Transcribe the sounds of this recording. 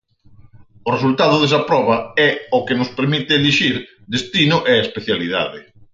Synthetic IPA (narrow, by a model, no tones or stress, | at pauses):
ʊresult̪aðʊðesɐpɾɔβɐɛʊkenʊspeɾmit̪ɪːliʃiɾ | d̪est̪inʊʔeespeθjaliða̰ðɪ